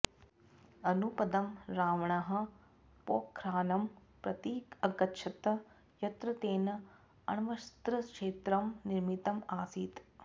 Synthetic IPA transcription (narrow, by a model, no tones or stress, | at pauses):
ɐnupɐd̪ɐmɾaːʋɐɳɐɦɐ̆ | poːkʰɾaːnɐmpɾɐt̪iːkɐɡɐtːʃʰɐt̪ɐ | jɐt̪ɾɐt̪eːnɐ | ɐ̰ɳʋɐst̪ɾɐkʂeːt̪ɾɐmniɾmit̪ɐmaːsiːt̪